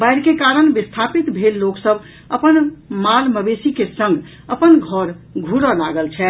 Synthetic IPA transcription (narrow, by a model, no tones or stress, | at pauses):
bajɾkekaɾənbist̪ʰapit̪bʱelːoksəb | əpənmalməbesikesə̃ŋɡ | əpənɡʱɔɾɡʱuɾəlaɡəlt͡ʃʰɛ